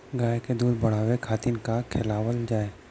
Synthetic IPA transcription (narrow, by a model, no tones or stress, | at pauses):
ɡaːjked̪uːd̪bɐɽ̤aːʋekʰaːt̪inkakʰeːlaːwəld͡ʒaːeː